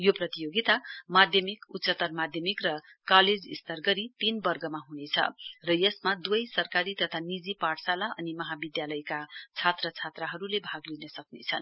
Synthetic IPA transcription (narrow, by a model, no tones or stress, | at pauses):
joprʌt̪ijoɡit̪amad̪ʱjʌmikut̪ːsʌt̪ʌrmad̪ʱjʌmikrʌkaled͡zist̪ʌrɡʌɾit̪inbʌrɡʌmaɦunet͡sʰʌ̰rʌjʌsmad̪ujsʌrkaɾit̪ʌt̪ʰanid͡zipaʈsalaʔʌ̰nimʌɦabid̪jalʌjkat͡sʰat̪rʌt͡sʰat̪rʌɦʌɾulebʱaɡlinʌsʌknḛt͡sʰʌn